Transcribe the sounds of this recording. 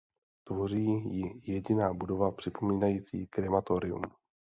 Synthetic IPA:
t̪vo̞r̝iːjɪjɛɟɪnaːbudo̞vapr̝̥ɪpʰo̞miːnajiːt͡sḭːkɾɛmat̪oɾɪṵm

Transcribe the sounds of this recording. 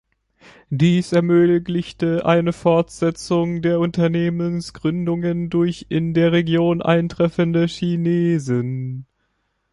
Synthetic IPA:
d̥iːsɛɐmøːɡlɪçtəʔa̰ɪnəfɔɐtz̥ɛt͡sʊŋdeːɐʊntɐneːmənsɡ̥ʁʏndʊŋəndʊɐçɪndeːɐʁeɡjoːnʔa̰ɪntʁ̥ɛfəndəʃineːzən

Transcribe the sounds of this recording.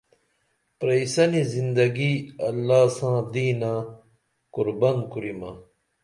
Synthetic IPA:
pɾɐisɐnizind̪ɐɡiɐ̰lːaːsãːd̪iːnaː | kuɾbɐnkuɾima

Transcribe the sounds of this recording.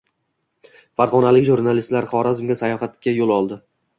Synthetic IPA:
faɾʁɒnalɪkʲʒuɾnalist̪laɾχɒɾazɪmɡʲasajɒχat̪kʲajolˠɒlˠd̪ɪ

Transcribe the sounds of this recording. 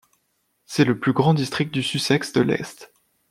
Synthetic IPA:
sɛləplyɡʁɑ̃d̪ist̪χik̚t̪̚d̪ysysɛksd̪əlɛ̰st̪

